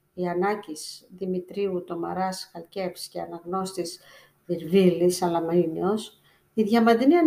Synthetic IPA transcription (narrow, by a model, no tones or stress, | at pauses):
iɐnɐcisðimit̪ɾiut̪o̞mɐ̰ɾɐsxɐlce̞fsceɐnɐɣno̞st̪is | viɾvilisɐlɐmɐinio̞s | iðʝɐmɐnd̪iniɐ